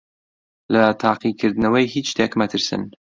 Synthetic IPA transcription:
lɐt̪ʰaːqikʰɨɾd̪ɨnɐwəjhit͡ʃt̪ʰekmɐt̪ʰɨɾsɨ̰n

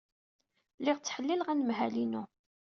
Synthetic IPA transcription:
lɪʁt͡sːħəlːilʁænəmɦælinu

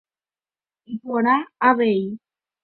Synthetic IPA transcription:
ipoɾaaʋei

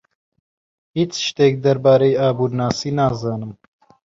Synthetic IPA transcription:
hiːt͡ʃʃt̪eːk̚d̪ɐɾbaːɾejaːbuːɾnaːsiːnaːzɑːnɨm

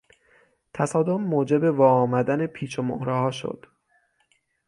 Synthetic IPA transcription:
t̪ʰæsɒːd̪o̞mːoːd͡ʒe̞be̞vɒːɒːmæd̪ænepʰiːt͡ʃʰomo̰hɾɛɦɒːʃo̰d̪̥

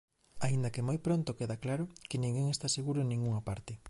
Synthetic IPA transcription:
aind̪akemojpɾont̪okeðaklaɾʊkɪnĩŋɡeŋest̪aseɣ̞uɾoenĩŋɡuŋapaɾt̪ɪ

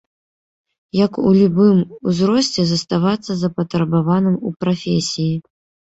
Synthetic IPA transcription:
jɐkṵlʲubɨmuzɾɔsʲt͡sʲɛzɐst̪avat̪sːɐzɐpɐt̪ɾɐbavanɨmupɾafʲesʲiji

